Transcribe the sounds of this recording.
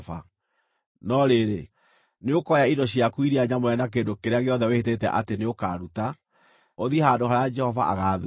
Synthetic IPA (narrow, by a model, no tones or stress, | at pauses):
fa̰ | nɔɾeɾe | neokɔjaidɔɕiakwiɾiaɲamoɾɛnak̬endokeɾeaɣeɔðɛwehetetɛ̰ʔa̰teneokaːɾuta | oðihadoɦaɾead͡ʒɛhɔva̰ʔa̰ɣaðu